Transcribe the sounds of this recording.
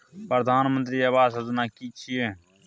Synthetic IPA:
pɾəd̪ʱaːnmənt̪ɾiːəʋaːsɦəzunaːkiːt͡ʃʰieː

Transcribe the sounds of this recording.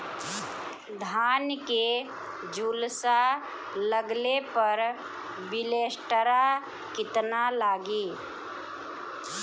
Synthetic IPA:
d̪ʱaːnke | d͡ʒuːlsa | ləɡlepəɾ | bɪleːsʈəɾa | kɪt̪nalaːɡiː

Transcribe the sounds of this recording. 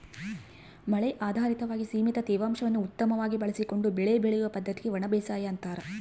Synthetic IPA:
mɐɭɛjʔaːd̪ʱaːɾit̪ɐʋaːɡisiːmit̪ɐt̪ɛːʋaːmʂɐʋɐnːuut̪ːɐmɐʋaːɡibɐɭɐsiko̞ɳɖubɛɭebɛɭɛjuʋɐpɐd̪ʱːɐt̪iɡe̞ʋɐɳɐbeːsaːjɐːnt̪aːɾɐ

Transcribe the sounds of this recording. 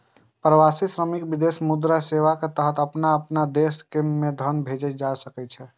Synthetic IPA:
pɾəʋasisɾəmikbid̪esmud̪ɾaseʋaket̪əɦət̪əpnaəpnad̪eskemːed̪ʱənbʱed͡ʒɛt͡ʃd͡ʒasəkɛt̪t͡ʃʰɛ

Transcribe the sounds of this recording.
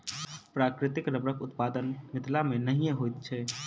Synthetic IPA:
pɾaːkɾɪt̪ɪkɾəbɾəkʊt̪paːd̪ənmɪt̪lamẽnəɦĩjẽɦojt̪t͡ʃʰɛː

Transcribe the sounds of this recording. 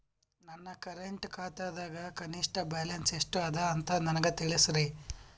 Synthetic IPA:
nɐnːɐkɐɾeɳʈkaːt̪aːd̪aːɡɐkɐniʂʈɐbɛːlɐnseʂʈuɐd̪ɐːnt̪ɐnɐnɐɡet̪iɭisɾe

